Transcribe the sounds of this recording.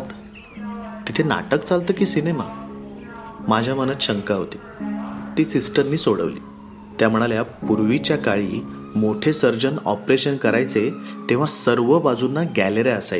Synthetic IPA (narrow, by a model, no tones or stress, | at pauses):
t̪ | t̪it̪ʰena̰ʈəkt͡salt̪əːkiːsinema | mad͡ʑʱjam̤ənət̪ɕəŋkaɦot̪i̥ | t̪iːsisʈənːiːsoɽə̰ʋlḭː | t̪jam̤əɽ̃aljapuɾʋit͡ɕjakaɭiː | moʈʰesəɾd͡ʑənɔ̰pɾeɕənkəɾajt͡set̪ẽʋ̤asəɾʋəbad͡zunːaɡæleɾeəsaj